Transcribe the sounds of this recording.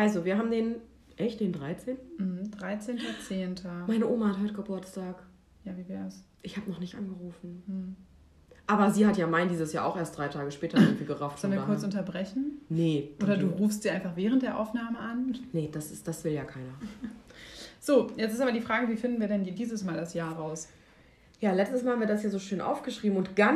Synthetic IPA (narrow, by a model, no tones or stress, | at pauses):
ʔalzoviːɐɦaːbm̩deːn | ʔɛçt̚d̥eːndʁaɪt͡seːntn̩m̩hm̩dʁaɪt͡seːntʰɐt͡seːntʰɐmaɪnəʔoːmahathɔʏtəɡɔb̥ʊɐt͡staːk | jaːviːvɛːɐɛs | ʔɪçhaːbənɔχnɪçtʔanɡəʁuːfn̩h̩ | ʔaːbɐziːhatjaːmaɪndiːzəsja̰ːʔaʊxʔeːɐstd̥ʁaɪtʰaːɡəʃpɛːtɐɪŋtv̥iːlɡəʁaʊftɔlnviːkʊɐt͡sʔʊntɐbʁɛçn̩nəoːdɐduːʁuːfstz̥iːaɪnfaχv̥ɛːʁəntd̥eːɐʔa̰ʊfnaːməʔannəd̥asɪsd̥asv̥ɪljaːkʰaɪnɐ | z̥oːjɛt͡sɪstaːbɐdiːfʁ̥aːɡəviːfɪndn̩viːɐɾɛniːdiːzəsmaːldasjaːʁaʊs | jaːlɛt͡stəsmalhamviːɐdasjaːzoːʃøːnʔa̰ʊfɡ̥əʃʁ̥iːbm̩ʊntɡ̥a